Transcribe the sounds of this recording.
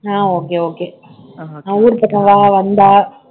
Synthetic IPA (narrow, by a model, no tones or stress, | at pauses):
aːoːkeoːke | auːɾpɐʈːɐ̃ʋaːʋɐnd̪aː